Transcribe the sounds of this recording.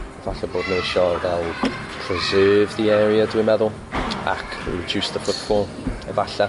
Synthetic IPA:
ɛvaɬaboːdⁿnejʃɔvɛlˠ | pʰrɛzɜːvðiɛːɾiadwimɛðʊlˠ | a̰kʰɔd͡ʒuːsðəfʊtfɔːlˠ | ɛ̰vaɬa

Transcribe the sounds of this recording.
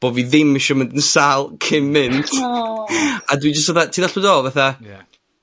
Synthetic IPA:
b̥oviðɪmːɪʃɔməntənsalˠkʰɪmmːɪntʰ | adwid͡ʒəstaðatʰiːðaɬədɔvaθa

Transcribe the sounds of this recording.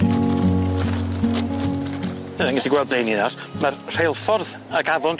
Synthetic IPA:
əðəŋɡɛsiɡwɛlˠd̚blˠejnɪnar | marr̥ejlˠfɔrð | əɡaðɔnt

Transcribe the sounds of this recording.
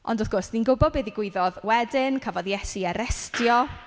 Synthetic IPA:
ɔ̰ndʊθɡʊrsdinɡʊbɔd̚beðiɡwɪɨðɔðwɛdɪnkʰavɔðjɛsiaɾɛstjɔ

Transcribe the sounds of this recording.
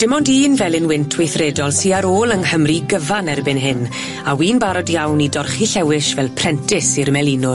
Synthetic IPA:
d̥ɪmɔndiːnvɛlˠɪnwɪntʰwejθrɛdɔlˠsiːaɾoːlˠənhəmriɡəvanɛrbɪnɦɪn | awiːnbaɾɔdjawnidɔrχiɬɛwɪʃvɛlˠpʰr̥ɛntʰɪsirmɛlˠinʊ

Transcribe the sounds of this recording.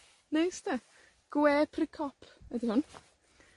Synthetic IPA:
nejst̪ɛ | ɡ̥wɛːpʰrɪkʰɔpʰədɪhʊn

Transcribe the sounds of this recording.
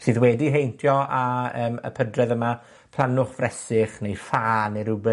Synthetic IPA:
sɨːðwɛdiɦejntʰjɔaəːmə̰pʰədrɛðəma | pʰlˠanʊχv̥rɛsɪχnejfaːniɾʊbɛ

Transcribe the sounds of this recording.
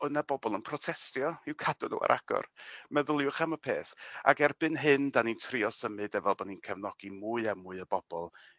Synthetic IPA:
ɔnabɔbɔlˠənpʰrɔtʰɛstjɔɪwkʰadʊnṵa̰ɾʔa̰ɡ̥ɔ̰rmɛðəlˠjʊχamɔpʰeːθa̰ɡɛrbɨnɦɨndanintʰriɔsəmɨdɛvɛlˠbɔninkʰɛvnɔɡ̥imuɨamuɨəbɔb̥ɔlˠ

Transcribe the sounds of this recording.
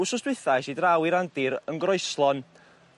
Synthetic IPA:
ʊsʊsdwɨθajsidrawiɾandɪɾənɡrɔɨslˠɔn

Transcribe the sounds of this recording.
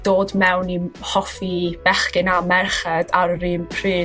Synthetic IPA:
d̥oːdmɛwnihɔfib̥ɛχkɪnamɛrχɛdarrɨːmpʰriː

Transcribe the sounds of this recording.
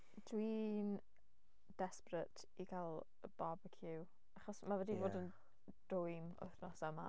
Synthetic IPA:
d̥wiːn | d̥ɛsprətʰ | ikʰalˠ | əb̥abəkʰjɪw | aχɔsmavɛdivoːdən | d̥ʊjmʊ̰θnɔsəma̰

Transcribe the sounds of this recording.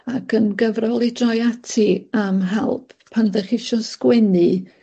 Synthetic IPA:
akʰənɡəvrɔlˠidrɔjatʰiamɦɛlˠpʰːanðɛχɪʃɔskwɛnɨ

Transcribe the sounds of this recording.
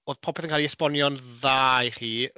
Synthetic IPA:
oːðpʰɔpʰɛθənkʰaːlˠiɛspɔnjɔnðajχiː

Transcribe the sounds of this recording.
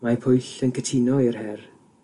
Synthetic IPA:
mapʰʊjɬənkʰətʰɪnɔɪrhɛr

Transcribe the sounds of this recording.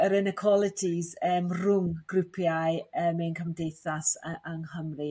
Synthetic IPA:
əɾɪnəkʰwɔlˠɪtʰizəːmrʊŋɡ̥rɪpʰjajəːmɛnkʰəmdejθasʔaŋhəmri

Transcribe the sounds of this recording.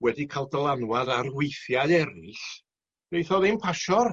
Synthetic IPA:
wɛdikʰaːlˠdəlˠanwadarwejθjaɨɛɾɪɬ | b̥ejθɔðɪnpʰaʃɔr

